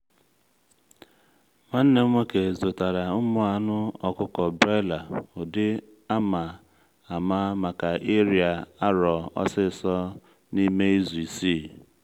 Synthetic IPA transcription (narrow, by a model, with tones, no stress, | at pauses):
ma˦n̩˦ne˦ŋʷe˦ke˨zo˨ta˨ɾa˨ʊ˦mʊ˦a˦nʊ˦ɔ˨kʊ˦kɔ˨bɾe˦la˨ʊ˨dɪ˦ | a˦ma˨ | a˨ma˦ma˨ka˨ʔe˦ɾja˨a˦ɾɔ˨ɔ̰˦sɪ˦˨sɔ˦ | ni˦me˦i˦zu˨i˨siː˦˨